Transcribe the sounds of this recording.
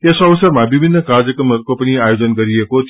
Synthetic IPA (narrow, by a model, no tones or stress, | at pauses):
esʌbʌsʌrmabibʱinːʌkard͡zʌkrʌmʌɾukopʌniajod͡zʌnɡʌɾiekot͡sʰ